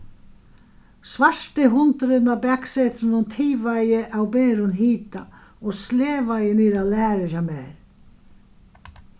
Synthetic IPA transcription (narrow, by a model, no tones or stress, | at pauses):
svar̥t̪ɪɦʊnt̪ɾɪnabɛkset̪ɪnʊnt̪ʰiːvajɪʔawbɛːɾʊnɦiːt̪a | ɔsleːvajɪniːɾalæːɾɪʃamɛːɾ